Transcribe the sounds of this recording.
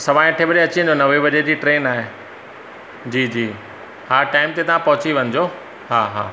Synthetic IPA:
sɐʋaːɪ̃ɐʈʰebɐɗeɐt͡ɕĩə̃ɲd͡ʑonɐʋebɐʄed͡ʑiːʈɾeːnaːɦe | d͡ʑiːd͡ʑiː | haːɾʈaːɪmt̪et̪ɐʋ̤ãpɐɦʊt͡ɕiʋɐ̃ɲɪd͡ʑoː | ɦaːɦa̰ː

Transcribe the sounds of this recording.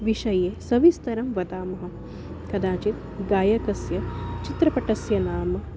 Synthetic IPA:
ʋiʃɐjeːsɐʋist̪ɐɾɐmʋɐt̪aːmɐɦɐ̆ | kɐd̪aːt͡ʃit̪ | ɡaːjɐkɐsjɐt͡ʃit̪ɾɐpɐʈɐsjɐnaːmɐ

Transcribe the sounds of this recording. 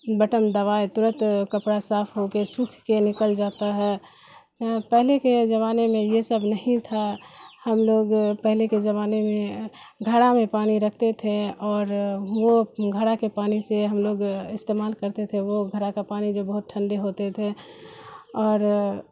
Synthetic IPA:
bəʈəmd̪əʋaːet̪ʊɾə̃nt̪kəpɽasaːpʰɦokesukʰkenɪkəld͡ʒaːt̪aɦɛː | apɛɦleked͡ʒəβaːnemẽjesəbʱnəɦĩt̪ʰahəmloːɡpɛɦleked͡ʒəβaːnemẽɡʱəɽamẽpaːñiɾəkʰt̪et̪ʰeɔːɾʋoɡʱəɽakepaːniseɦəmloːɡɪst̪eːmaːlkəɾt̪et̪ʰeʋoɡʱəɾakapaːnid͡ʒobəɦʊt̪̚ʈʰə̃nɖeɦoːt̪et̪ʰe | ɔːɾ

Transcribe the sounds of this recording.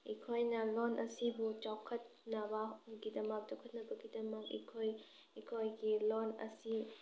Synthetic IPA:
ikʰojnɐlɔnʔɐsibut͡ʃawkʰɐt̚nɐbɐɡidɐmɐk̚t͡ʃawkʰɐt̚nɐbɐɡidɐmɐk̚ḭkʰoj | ikʰojɡilonɐ̰si

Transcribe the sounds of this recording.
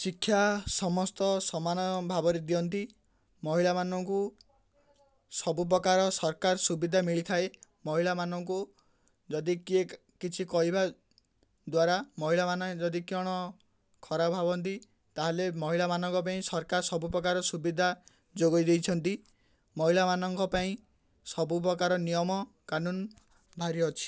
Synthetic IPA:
sikʰːjasɔmɔst̪ɔsɔmanɔbʱabɔɾed̪iɔnt̪i | mɔɦiɭamanɔŋku | sɔbup̬ɾɔkaɾɔsɔɾkaɾsubid̪ʱamiɭit̪ʰae | mɔɦiɭamanɔŋku | d͡ʒɔd̪ikie | kit͡ʃʰikɔɦiba | d̪waɾamɔɦiɭamanɔed͡ʒɔd̪ikiɔɽ̃ɔ | kʰɔɾabʱabɔnt̪̬i | t̪aɦelemɔɦiɭamanɔŋkɔp̬aĩsɔɾkaɾsɔbupɾɔkaɾɔsubid̪ʱa | d͡ʒoɡɔjd̪ejt͡ʃʰɔnt̪i | mɔɦiɭamanɔŋkɔpaĩ | sɔbup̬ɾɔkaɾɔnijɔmɔ | kanun | bʱaɾiɔt͡ʃʰi̥

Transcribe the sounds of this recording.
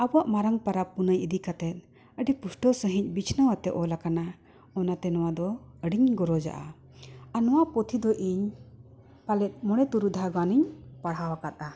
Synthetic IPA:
abɔaʔmaɾaŋpaɾapunəjid̪ikat̪ɛt̪̚ | əɖipusʈɔsəɦiɲ̚ˀbit͡ʃʰnəwat̪ɛʔɔlakana | ɔnat̪ɛnɔwad̪ɔəɖiɲɡɔɾɔd͡ʒa̰ʔa̰ | anɔwapɔt̪ʰid̪ɔʔiɲ | palɛt̪̚ˀmɔɽ̃ɛt̪uɾud̪ʱaɡaniɲpaɽɦawakat̪̚ʼa

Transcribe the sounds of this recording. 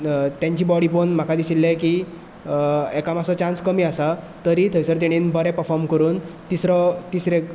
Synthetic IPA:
t̪jãɲt͡ɕibɔɽibonm̤akad̪isilːẽki | ekamasɔt͡ɕãnskəmiasa | t̪əɾit̪ʰəjsəɾt̪aɽ̃inbʱəɾɛ̃pəɾfʰɔɾmkəɾuːnt̪isɾɔt̪isɾe

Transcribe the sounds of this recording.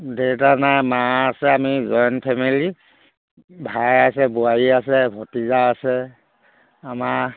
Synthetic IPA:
detanajmaasɛamizɔjnpʰɛmili | bʱajasɛbuaɹiasɛbʱɔtizaːsɛ | amaɹ

